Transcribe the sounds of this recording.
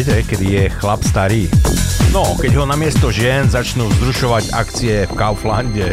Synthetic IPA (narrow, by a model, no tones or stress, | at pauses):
tɛkɛd̪ijɛxlapst̪aɾiːnɔkɛɟɦɔnamɪɛst̪ɔʒɪɛnzat͡ʃnuːzɾuʃɔʋaɟa̰kt͡siɛfkaʊflaɲɟɛ